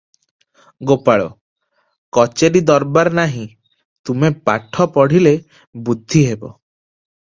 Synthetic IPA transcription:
ɡopaɭɔ̰ | kɔt͡ʃeɾid̪ɔɾbaɾnaɦĩ | t̪umepa̰ʈʰɔpɔɽ̤ile | bud̪ʱːiɦebɔ̰

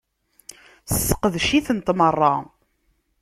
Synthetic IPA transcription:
səsə̥qəðʃiθənt̪mərˤːɑ

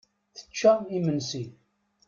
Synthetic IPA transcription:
θə̥t͡ʃːaimənsi

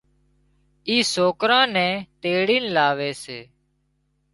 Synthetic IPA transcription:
iːsoːkɾãːnɛ̃ːt̪eːɽiːnlaːʋeːseː

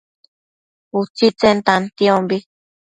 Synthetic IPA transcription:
ut͡sit͡sent̪ant̪iombi

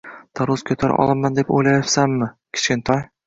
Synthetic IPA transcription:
d̪̥aɾuzkʲʰɵt̪ʰaɾ̰ʔɒ̰lˠɪmmand̪epo̰jlajɒpsamːɪkʲʰɪ̥t͡ʃkʲɪnt̪ʰɒj

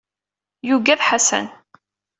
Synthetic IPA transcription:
juɡæðħasæ̰n

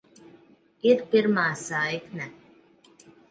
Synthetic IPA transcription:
iɾpiɾmaːsajknɛ

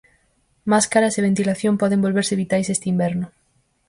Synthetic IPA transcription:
maskaɾaseβ̞ent̪ilaθjompɔðẽmbolβeɾsɪβit̪ajsest̪imbɛɾnʊ

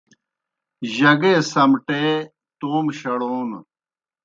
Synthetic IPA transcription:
ʑɐɡeːsɐmʈeː | t̪oːmɕɐɽoːn

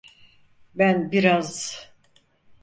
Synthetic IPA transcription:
bænbiɾaz

